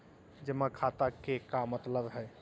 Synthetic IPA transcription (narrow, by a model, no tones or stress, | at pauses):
d͡ʒemakʰat̪akekamət̪ləbɦɛj